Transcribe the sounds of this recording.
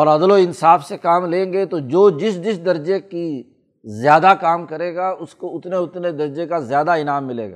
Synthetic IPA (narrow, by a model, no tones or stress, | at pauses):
ɔːɾɐd̪loɪnsaːfsekaːmlẽːŋɡet̪od͡ʒoːd͡ʒɪsd͡ʒɪsd̪ɐɾd͡ʒeki | zjaːd̪akaːmkɐɾeːɡaʊskoʊt̪neʊt̪ned̪ɐɾd͡ʒekazjaːd̪aɪnaːmːɪlḛːɡa̰ː